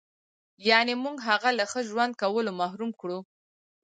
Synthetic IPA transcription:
jɑnemuɡɦaɣalaxəʒwand̪̚kawəlomahɾumkɽu

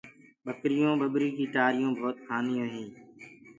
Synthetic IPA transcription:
ɓəkɾɪjõːɓəɓɾiːkiːʈaːɾɪjõːbʱoːt̪̚kʰaːnijõːɦĩː

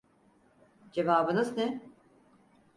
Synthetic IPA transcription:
d͡ʒe̞vaːbɯnɯznɛ

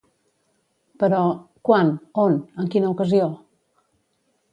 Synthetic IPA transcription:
pəɾɔkwanonəŋkinəukəzio

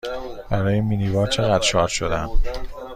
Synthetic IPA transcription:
b̥æɾɒːjeminivɒːɾt͡ʃʰe̞ɣæd̪ɾʃɒːɾʃo̞d̪æm

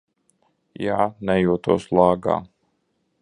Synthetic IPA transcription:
jaːnɛjuɔt̪ṵːslˠaːɡa̰ː

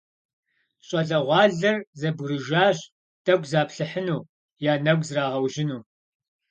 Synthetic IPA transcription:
ɕʼɐɮɐʁʷɑːɮɐrzɐbɾɨʒaːɕ | tʰɐɡʷzaːpɬɨħənuː | jaːnɐɡʷzraːʁɐwʒɪnuː

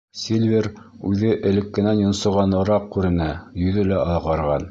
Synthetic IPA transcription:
sʲelʲvʲeɾ | ʉðɘʔɘ̆lɘ̆kːɘ̆nænjŏnsɤ̆ʁɑnɤ̆ɾɑq̚kʉɾɘ̆næjɵ̆ðɘlæɑðˠʁɑɾʁɑn

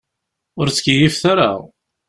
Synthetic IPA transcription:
ʊɾt͡sːkijifθaɾa̰

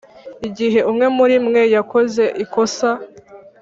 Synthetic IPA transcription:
iɟiɦe̞ʔumŋe̞muɾimŋe̞jako̞ze̞ʔiko̞sa

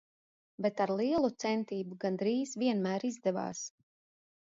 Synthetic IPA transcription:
bet̪aɾlˠiɛlˠut̪sɛnt̪iːbuɡand̪ɾiːz̥viɛnmæːɾizd̪ɛva̰ːs

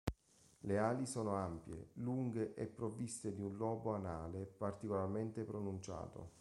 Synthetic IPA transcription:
leaːlisɔːnoampjḛluŋɡeʔɛpːɾovist̪ed̪iunlɔːboanaːlepart̪ikolarment̪epɾonunt͡ʃa̰ːt̪o̰

